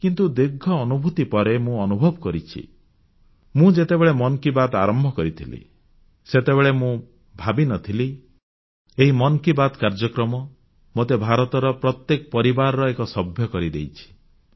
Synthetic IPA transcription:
kint̪ud̪eɡʱːɔːnubʱut̪ipɔɾemũɔnubʱɔbɔkɔɾit͡ʃʰḭ | mũd͡ʒet̪ebeɭemɔnkibad̪a̰ɾɔmbʱɔkɔɾit̪ʰilḭ | set̪ebeɭemũ | bʱabinɔt̪ʰili | eɦimɔnkibad̪kaɾd͡ʒɔkɾɔmɔ | mot̪ebʱaɾɔt̪ɔɾɔpɾɔt̪jekɔpɔɾibaɾɔɾɔekɔsɔbʱjɔkɔɾid̪ḛjt͡ʃʰi̥

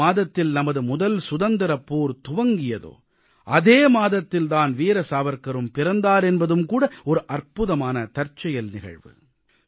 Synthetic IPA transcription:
aːðɐt̪ːɪlnɐmɐðɯmʊðɐlsʊðɐnd̪ɪɾɐpːuːɾt̪ʊʋɐŋɡɪjɐðo̰ː | ʔɐðeːmaːðɐt̪ːɪld̪aːnʋiːɾɐsaːʋɐɾkɐɾɯmpɪɾɐnd̪aːɾɛnbɐðɯmkuːɽɐɔɾɯʔɐrpʊðɐmaːnɐt̪ɐɾt͡ʃːɐjɐlnɪɣɐ̰ɻʋɯ̰

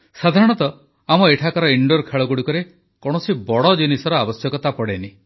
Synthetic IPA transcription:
sad̪ʱaɾɔɽ̃ɔt̪ɔ | amɔeʈʰakɔɾɔiɳɖoɾkʰeɭɔɡuɽikɔɾe | kɔɽ̃ɔsibɔɽɔd͡ʒinisɔɾɔabɔsjɔkɔt̪apɔɽeni

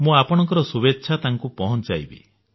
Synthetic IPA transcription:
mũapɔɽ̃ɔŋkɔɾɔsubet̪ːʃʰat̪aŋkupɔɦɔnt͡ʃajbḛ

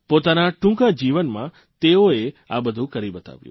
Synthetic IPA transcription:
pot̪anaʈũkad͡ʒiʋənmã̰ | t̪eoeabəd̪ʱũkəɾibət̪a̰ʋjṵ̃

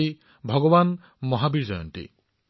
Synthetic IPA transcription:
i | bʱɔɡɔban | mɔɦabiɾd͡ʒɔjɔ̰ntḭ

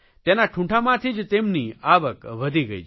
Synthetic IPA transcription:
t̪enaʈʰũʈʰamãt̪ʰid͡ʒt̪emniaʋəkʋəd̪ʱiɡəḭ

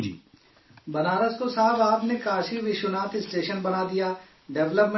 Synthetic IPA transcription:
iː | bɐnaːɾəskosaːbaːpnekaːʃiʋɪʃʊnaːt̪ɪsʈeːʃənbɐnaːd̪ijaː | ɖɛʋləpm

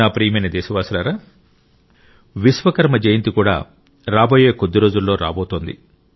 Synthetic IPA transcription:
aːpɾiːɐmɐjnɐd̪ɛːʃɐʋaːsulaːɾaː | ʋisʋɐkɐɾmɐd͡ʒɐjint̪ikuːɽa̰ː | ɾaːbo̞ːjeːkod̪ːiɾo̞ːd͡ʒulːo̞ːɾa̰ːboːt̪oːnd̪ḭ

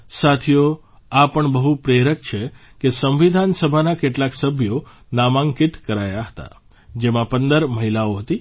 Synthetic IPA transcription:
sat̪ʰijo | apəɳbəɦupɾeɾək̚t͡ʃʰe | kesə̃mʋid̪ʱansəbʱanakeʈlaksəbʱjo | namãŋkit̪kəɾajaɦət̪a̰ | d͡ʒemãpənd̪əɾməɦilaoɦət̪i

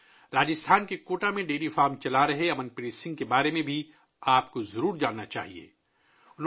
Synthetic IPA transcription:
ɾaːd͡ʒɪst̪ʰaːnkekoːʈamẽɖeːlifaːɾmt͡ʃɐlaɾɐɦeɐmənpɪɾeːsɪ̃ŋɡ̚kebaːɾemẽbʱi | aːpkozɐɾuːɾd͡ʒaːnːat͡ʃa̰ːɦiḛː | ʊn

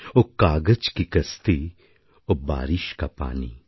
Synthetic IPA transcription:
okaːɡət͡ʃkikɐst̪i | oba̰ːɾɪʃkapa̰ːnḭ

